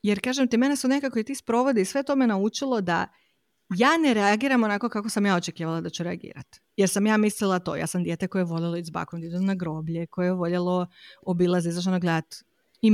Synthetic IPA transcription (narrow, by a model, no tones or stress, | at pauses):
jeɾkaːʒemt̪ime̞nesonekakoet̪iːspɾo̞ʋo̞d̪iisʋe̞t̪o̞menaut͡ʃilˠo̞d̪a̰ | jaːne̞ɾeaɡiːɾamonako̞kako̞samjaːo̞t͡ʃekiːʋalˠad̪at͡ɕuɾeaɡḭːɾa̰t̪ | jeɾsamjaːmislilˠat̪o̞ːja̰ːsamd̪jet̪eko̞jeʋo̞lelˠoizba̰komd̪et̪omnaɡɾo̞ːbʎeko̞jejʋo̞ʎelˠo̞obilˠazeizaʃ̬t̪onoɡled̪at̪ | i